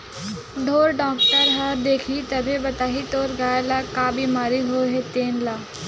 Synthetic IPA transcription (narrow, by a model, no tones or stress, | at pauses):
ɖ̪ʱoːɾɖɔ̃ːkʈəɾɦaɾd̪eːkʰit̪ɐbʱebɐt̪aːɦit̪oːɾɡaːjlakaːbimaːɾiɦoɦet̪eːnlaː